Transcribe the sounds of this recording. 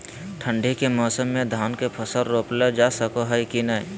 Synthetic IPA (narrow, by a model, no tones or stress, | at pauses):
ʈʰə̃ɳɖʱikemɔːsəmːẽd̪ʱaːnkepʰəsəɾːoːpled͡ʒaːsəkoɦəjkinə